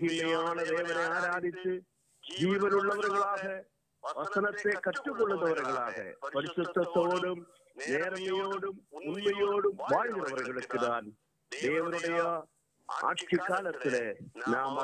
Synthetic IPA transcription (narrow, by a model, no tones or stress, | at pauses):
ɦimɐjaːɳɨd̪e̞ːʋɐneaːɾaːd̪ʱit͡ɕːɨ | d͡ʑiːʋɐnuɭːɐʋɐɾɣɐɭaːɣɐ | ʋɐsɐnɐt̪ːe̞kɐʈːukːoɭːunːɐʋɐɾɐɣɐɭaːɣɐ̰pɐɾisut̪ːɐt̪ːoːɽum | neːɾɐŋːɐjoːɽumunmɐjoːɽumʋaːɻiɣɐɾɐʋɐɾɣɐɭukːɨðaːn | d̪e̞ːʋɐnuɽɐjɐ | a̰ːʂikːaːlɐt̪ːilenaːm